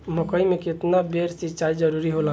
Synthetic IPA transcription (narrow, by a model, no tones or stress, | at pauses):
mʊkəimẽkɪt̪nabeɾsɪt͡ʃaːid͡ʒəɾuɾiɦola